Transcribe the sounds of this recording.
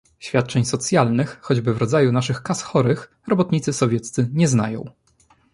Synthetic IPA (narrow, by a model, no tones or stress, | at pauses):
ɕfʲjat̪̚t͡ʂɛɲsɔt̪sʲjalnɘxːɔd͡ʑbɘvɾɔd̪zajunaʂɘxkasxɔɾɘx | ɾɔbɔt̪ɲit̪sɘsɔvʲjɛt̪st̪sɘɲɛzna̰jɔ̰̃w̃